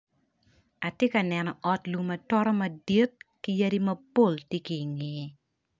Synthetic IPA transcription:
a˨tje˦kɐ˨nɛ˨nɔ˨ʔɔ˨tlu˨mɐ˨tɔ˦ɾɔ˦mɐ˨di˦t̚ki˦jaɐ˦ɾi˦mɐ˦po˦˨ltje˦ki˨ŋe˨

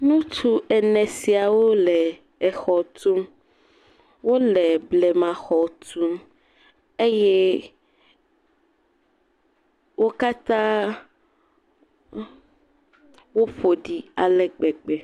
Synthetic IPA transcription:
nũ˦t̪u˦ɛ˨nɛ̃˨si˨a˨wo˦lɛː˨ | xɔ˨t̪u˦m | wo˦lɛ˨blɛ˨mã˨xɔ˨t̪u˦m | e˦je˦ | wo˦ka˦t̪ã˦ | wo˦ɸo˨ɖi˨a˨lɛ˨ɡ͡bɛ˨ɡ͡bɛ˨

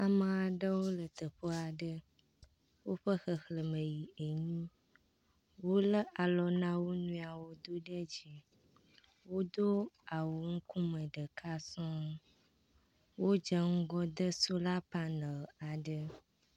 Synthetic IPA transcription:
a˨mã˨a˨ɖə˦wo˦lə˨t̪ə˨ɸə˦a˨ɖə˦ | wo˦ɸə˦xə˨xlə˨mə˨ji˨e˨ɲĩ˦ | wo˦lə˦ʔa˨lɔ˦nã˦wo˦nũ˦a˨wo˦d̪o˦ɖə˦d͡ʑi˨ | wo˦d̪o˦a˨wo˨ŋ̩˦kũ˦mə˨ɖə˨kʰa˦sɔ̃˦ | wo˦d͡ʒə˦ŋ̩˦ɡɔ˦d̪ə˦so˦la˦pa˦nə˨a˨ɖə˦

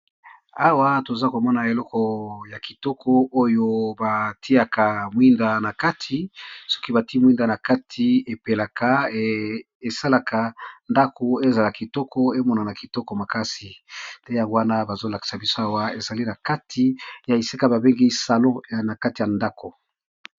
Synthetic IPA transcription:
a˦wa˦to˨za˦ko˨mɔ˦na˨e˨lɔ˦kɔ˨ja˨ki˨tɔ˦kʰɔ˦o˦jo˦ba˨tʰi˦a˨ka˨mwi˦nda˨na˨ka˦tʰi˨sɔ̥˦ki˦ba˨ti˦mwi˦nda˨na˨ka˦tʰi˨e˨pe˨la˨ka˨˦ | e˨sa˦la˨ka˨nda˦kʰo˨e˦za˨la˨ki˨tɔ˦kʰɔ˦e˦mɔ˦na˨na˨ki˨tɔ˦kɔ˨ma˨ka˦si˨tɛ˦ja˨ŋɡo˦wa˦na˦ba˨zo˦la˨ki̥˨sa˨bi˦so˦a˦wa˦e˨za˨li˦na˨ka˦tʰi˨ja˨i˨si˦ka˦ba˨be˦ŋɡi˦sa˨lɔ̃˦˨na˨ka˦ti˨ja˨nda˦ko˨

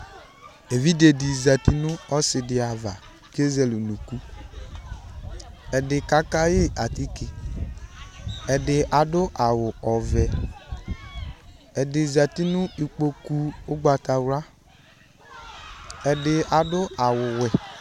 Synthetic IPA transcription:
e˨vi˦de˨di˨za˨ti˦nʊ˦ɔ˦sɪ˨dɪ˨a˨va˨ | ɡe˦zɛ˨lu˨nu˨ku˦ | ɛ˨dɪ˨ka˦ka˦jɪ˦ʔa˨ti˦kɪ˨ | ɛ˨dɪ˨ʔa˨dʊ˦ʔa˨wʊ˨ɔ˨vɛ˨ | ɛ˨dɪ˨za˨ti˦nʊ˦i˨k͡po˨ku˦ʊ˦ɡ͡ba˨ta˨wɾa˦ | ɛ˨dɪ˨a˨dʊ˦a˨wʊ˨wɛ˨

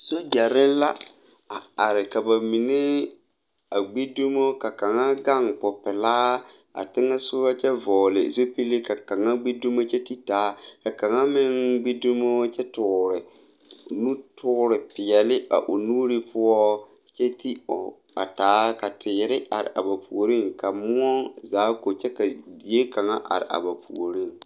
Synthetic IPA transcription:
so˦d͡ʒa˨ɾɪ˦la˦ | a˨a˨ɾɪ˨ka˨ba˨mi˨ne˦ | a˨ɡ͡bi˦du˦mo˦ka˨ka˨ŋa˦ɡa˦˨ŋpɔ˨pɪ˨laː˦ | a̰˨tɪ˦ŋɛ˦sʊ˦ba˦t͡ʃɛ˦vɔː˨lɪ̰˨zo˦pi˦li˦ka˨ka˨ŋa˦ɡ͡be˦du˦mo˦t͡ʃɛ˦ti˦taː˨˦ka˨ka˨ŋa˦mɪ˦ŋɡ͡bi˦du˦mo˦t͡ʃɛ˦tʊ˨ɾɪ˨ | nu˦tʊ˦ɾɪ˨pɪ˨ɛ˨lɪ˦a̰˨ʔʊ˨nuː˦ɾi˦pʰʊ˦ɔ˦ | t͡ʃɛ˦ti˦ʊ̰˨ | a̰˨taː˨˦ka˨tʰɪː˨ɾɪ˦ʔa˨ɾɪ̰˨ʔa̰˨ba˨pʰu˨o˨ɾi˦ŋka˨mʊ˦ɔ˦ŋzaː˨˦ko˨t͡ʃɛ˦ka˨di˨e˦ka˨ŋa˦ʔa̰˨ɾɪ̰˨ʔa̰˨ba˨pṵ˨o˨ɾi˦ŋ

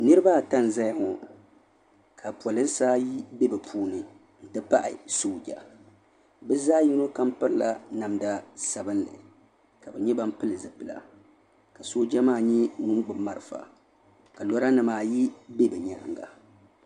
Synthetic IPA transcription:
nɨ˦ɾɨ˦ba˦˨ta˦n˨za˦jŋʊ˨ | kʰa˨pwɔ˨lɨ˦n˦saː˦ji˦be˦bɨ˨pʰuː˦nɨ˨ | n̩˦tɨ˦pa˦ʔɪ̰˨soː˦d͡ʒa˨ | bɛ˦zaː˦ji˦no˦ka˦mpɨ˦ɾla̰˨na˨mda˦sa˨bɨ˦nlɨ̰˨ | ka˨bɛ˨ɲɛ˦ba˦m˦pɨ˦lɨ˨zɨ˨pɨ˨la̰˨ | ka˨soː˦d͡ʒa˦maː˦˨ɲɛ˦nʊ˦ŋ˦ɡ͡bɨ˨mːa˨ɾɨ˨fa̰˨ | ka˨lɔ˦ɾa˦nɨ˨maː˨ji˦be˦bɨ˨ɲa̰˨ŋɡa˨

